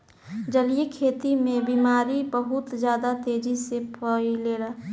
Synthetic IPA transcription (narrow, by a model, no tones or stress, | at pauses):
d͡ʒəliekʰeːt̪imẽbiːmaːɾibəɦʊt̪d͡ʒjaːd̪at̪eːd͡ʒisepəileːɾəɦ